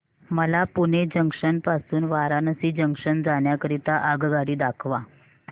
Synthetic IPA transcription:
məlapuned͡ʑəŋkʂənpasuːnʋaɾanəsiːd͡ʑəŋkʂənd͡zaɳjakəɾit̪aʔəɡɡaɽiːd̪akʰʋa

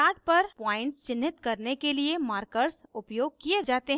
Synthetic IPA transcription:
aːʈ̚pɐɾpaːɪ̃ɳʈst͡ʃɪnːɪt̪kɐɾnekeliemaːɾkəɾsʊpjoːɡ̚kijed͡ʒaːt̪eɦ

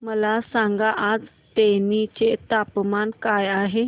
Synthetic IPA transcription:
məlasãŋɡaʔad͡z | t̪enit͡ɕet̪apmankajaɦe

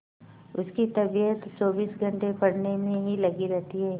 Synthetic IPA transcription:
ʊskit̪ɐbijət̪t͡ʃɔːbiːsɡʱɐ̃ɳʈepɐɽnemẽɦilɐɡiɾɛɦt̪iɦɛː

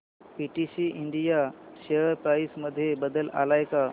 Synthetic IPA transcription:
piʈisiʔiɳɖijaɕeəɾpɾaisməd̪ʱːjebəd̪əla̰lajka

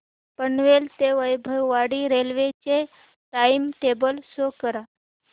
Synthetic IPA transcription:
pəɳʋelt̪eʋəjbʱəwʋaɽiɾelʋet͡ɕe | ʈaimʈebəlsokəɾa

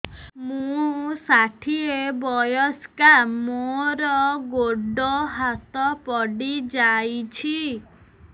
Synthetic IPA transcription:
mũsaʈʰiebɔjɔskaɾmoɾɔɡoɖɔɦat̪ɔpɔɖid͡ʒajt͡ʃʰi

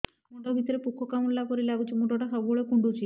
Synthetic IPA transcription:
muɳɖɔbʱit̪ɔɾepukʰɔkamɾelapɔɾilabut͡ʃimuʈɔʈakʰabbɔɭekuɳɖut͡ʃʰi

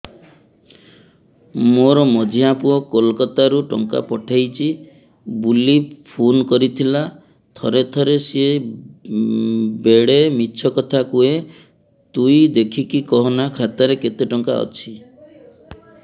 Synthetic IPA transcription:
moɾɔmɔd͡ʒʱiapuɔkolkɔt̪aɾuʈɔ̰ŋka̰pɔʈʰajt͡ʃʰi | bulipʰonkɔɾit̪ʰila | t̪ʰɔɾet̪ʰɔɾesee | beɽemiːt͡ʃʰɔkɔt̪ʰakue | t̪ujd̪ekʰikikɔɦɔnakʰat̪aɾeket̪eʈɔŋka̰ɔ̰t͡ʃʰi

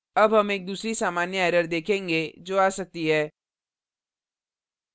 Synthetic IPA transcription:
ɐbɦɐmeːk̚d̪uːsɾisaːmaːnjəɛːɾəɾd̪eːkʰẽːŋɡed͡ʒoːaːsɐk̚t̪iɦɛː

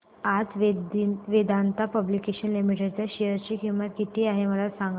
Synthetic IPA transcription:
ad͡z | ʋed̪ant̪apəblikeɕənlimiʈeɖt͡ɕjaɕijəɾt͡ɕikĩw̃ʋat̪kit̪ʰiːaɦeməlasãŋɡ

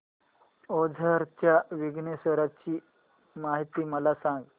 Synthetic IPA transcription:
od͡zʱəɾt͡ɕjaʋiɡnesəɾat͡ɕiː | maɦit̪iːməlasãŋɡ

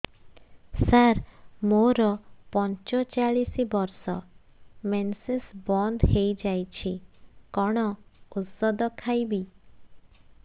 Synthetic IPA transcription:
saɾmoɾɔpɔnt͡ʃɔt͡ʃaɭisibɔɾsɔ̰ | mensesbɔnd̪hejd͡ʒajt͡ʃʰikɔɽ̃ɔusɔd̪ɔkʰajbi

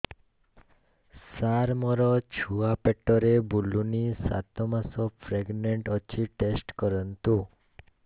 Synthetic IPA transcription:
saɾmɔɾɔt͡ʃʰuapɛʈːɔɾebulunisa̰t̪ɔmasɔpʰɾeɡneɳʈɔt͡ʃʰiʈesʈkɔɾɔnt̪u

